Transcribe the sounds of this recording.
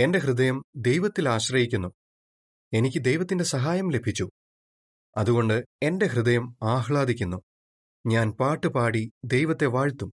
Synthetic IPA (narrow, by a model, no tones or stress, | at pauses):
e̞nde̞ɦrɨd̪ɐjɐmd̪e̞jʋɐt̪ːilaːɕrɐjikʲːunːu | e̞nikʲːɨd̪e̞jʋɐt̪ːinde̞sɐɦaːjɐmle̞bʱit͡ɕːu | ɐðuɣo̞ɳɖɨe̞nde̞ɦrɨd̪ɐjɐmaːɦɭaːd̪ikʲːunːu | ɲaːnpaːʈːɨpaːɽid̪e̞jʋɐt̪ːe̞ʋaːɻt̪ːum